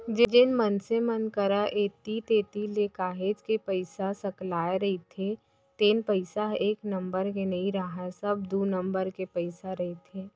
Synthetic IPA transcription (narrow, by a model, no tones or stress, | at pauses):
d͡ʒɪd͡ʒɪnmənsemənkəɾaʔeːt̪it̪eːt̪ileːkaːɦeːd͡ʒkepəɪsasɐklaːeɾɐɦit̪ʰe | t̪eːnpəɪsaɦeːknɐ̃mbəɾkenɐiɾaɦasɐbd̪uːnɐ̃mbəɾkepəɪsaɾɐɦet̪ʰeː